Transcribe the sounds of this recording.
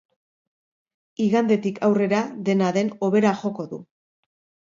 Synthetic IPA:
iɣand̪et̪ikʰawre̞ɾaðe̞naðe̞no̞βe̞ɾaʝo̞ko̞ðṵ

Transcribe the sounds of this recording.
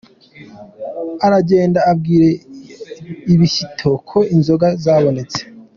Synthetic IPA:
aɾaɟe̞ːndaːb̚ɡiːɾe̞ | iβisitʰo̞kʰo̞inzo̞ɡazaːβo̞ne̞t͡se̥

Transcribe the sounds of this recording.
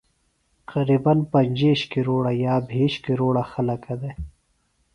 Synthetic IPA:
qɐɾiːbɐnpɐnʲd͡ʑeːɕkiɾoːɽajaːbʱeːɕkiɾoːɽaxɐlɐkɐd̪e

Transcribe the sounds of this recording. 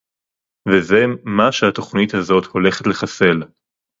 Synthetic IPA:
veze̞maʃeat̪o̞χnit̪hazo̞tho̞le̞χetle̞χase̞l

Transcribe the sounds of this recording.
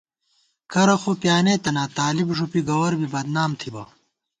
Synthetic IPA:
kɐɾɐxoːpjaːneːt̪ɐnaːt̪aːlibʐupiɡɐwɐɾbʱibɐd̪naːmt̪ʰibɐ̰

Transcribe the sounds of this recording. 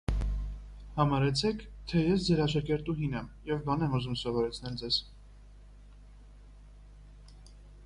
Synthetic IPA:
hɑmɑɾɛt͡sʰɛkʰt̪ʰɛjɛsd͡zɛɾɑʃɑkɛɾt̪uɦinɛmjɛvbɑnɛmuzumsɔvɔɾɛt͡sʰnɛld͡zɛz̥

